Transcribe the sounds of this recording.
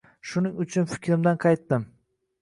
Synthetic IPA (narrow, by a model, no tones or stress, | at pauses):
ʃʊnɪŋʊt͡ʃʰʊnfɪ̥kʲʰɾɪmd̪anqʰɑjt̪ːɪm